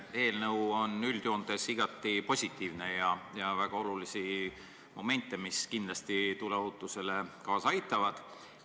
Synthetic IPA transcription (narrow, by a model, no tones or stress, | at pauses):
e̞ːlnɤwo̞nylʲd̪̥joːnd̪̥e̞siɡ̥ɑt̪ːˑipo̞sʲit̪ːˑiːvne̞jɑjɑvæɡ̥ɑo̞lulisi | mo̞me̞nʲt̪ːˑe̞miskind̪lɑst̪it̪uleoɦut̪ːˑuse̞le̞kɑːsɑjt̪ːˑɑvɑd̪̥